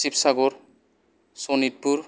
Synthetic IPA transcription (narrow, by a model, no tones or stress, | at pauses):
sipsaɡoɾ | sonit̪̚puɾ